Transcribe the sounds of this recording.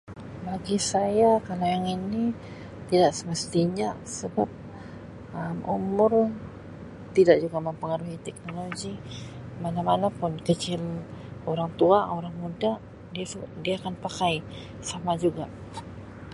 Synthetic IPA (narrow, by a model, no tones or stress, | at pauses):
baɡisajakalawjaŋini | t̪idaʔsəməst̪iɲasəbap̚ | əmʔṵmʊr | t̪idaʔd͡ʒuɡaməmpəŋaɾuɦit̪ɛk̚noloɡimanamanapʊnkət͡ʃɪloɾaŋt̪uaoɾaŋmudaʔ | diadiaːkanpakaj | samad͡ʒuɡa